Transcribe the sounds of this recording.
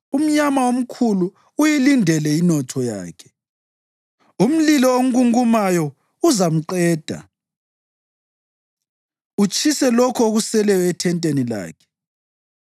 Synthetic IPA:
um̩ɲamaom̩kʰuluː | jilindʱɛlɛinɔtʰɔja̰ːkʰɛ̥ | um̩lilɔoŋ̩ɣuŋumajɔ | uzam̩ǀɛːd̥ʱa̰ | ut͡ʃʰʼisɛlɔkʰɔoɣusɛlɛwɛtʰɛntʼenila̰ːkʰɛ̥

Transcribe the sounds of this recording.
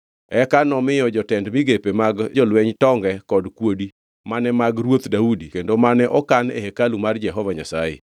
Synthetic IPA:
ɛkanɔmɪjɔd͡ʒɔtɛndmɪɡepemaɡd͡ʒɔlwɛɲtɔŋɡɛkɔdkwodi | manɛmaɡrwot̪daudikendomanɛʔɔkanḛhekalumard͡ʒɛɦɔvaɲasajḛ

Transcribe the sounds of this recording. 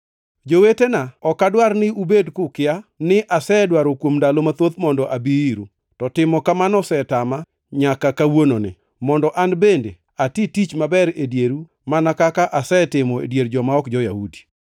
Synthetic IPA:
d͡ʒowetenaɔkadwarnɪubedkʊkɪanɪʔasɛdwaɾokwomndalomat̪ot̪mɔndɔʔabiiɾu | tɔtɪmɔkamanɔsɛtama | ɲakakawononɪ̰ | mɔndɔʔanbende | atitit͡ʃmabɛɾedjeɾu | manakakaʔasɛtɪmɔḛdjeɾd͡ʒɔmaɔkd͡ʒɔjahudi̥

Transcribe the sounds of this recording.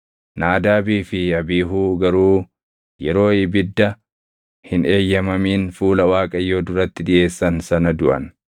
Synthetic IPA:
naːd̪aːbiːfɪɐbiːɦuːɡɐɾuː | jɛɾo̞ːɪbɪd̪ːɐ | hɪne̞ːjːɐmɐmiːnfuːlɐwaːkʼɐjːo̞ːd̪ʊɾɐt̪ːɪd̪ɪʔe̞ːsːɐnsɐnɐd̪ʊʔɐ̰n

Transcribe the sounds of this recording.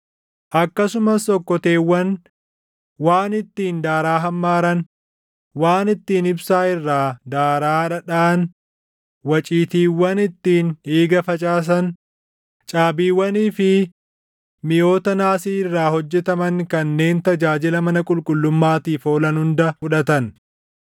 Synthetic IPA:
ʔɐkːɐsʊmɐsɔkːɔt̪e̞ːwːɐn | waːnɪt̪ːiːnd̪aːɾaːɦɐmːaːɾɐn | waːnɪt̪ːiːnɪbsaːɪrːaːd̪aːɾaːᶑɐᶑaːn | wɐt͡ʃʼiːt̪iːwːɐnɪt̪ːiːneːɡɐfɐt͡ʃʼaːs̬ɐn | t͡ʃʼaːbiːwːɐniːfɪ | mɪjo̞ːt̪ɐnaːsiːɪrːaːhɔd͡ʒːɛt̪ɐmɐŋkɐnːe̞ːnt̪ɐd͡ʒaːd͡ʒɪlɐmɐnɐkʼʊlkʼʊlːʊmːaːt̪iːfo̞ːlɐnhʊnd̪ɐfʊᶑɐt̪ɐn

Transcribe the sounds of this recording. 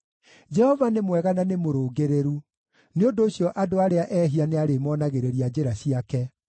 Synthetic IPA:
d͡ʒɛhɔvanemwɛɣananemoɾoːɡeɾeɾu | neondoːɕjɔʔadoaɾeaʔɛːɦianeaɾemɔnaɣeɾeɾiad͡ʑeɾaɕiakɛ

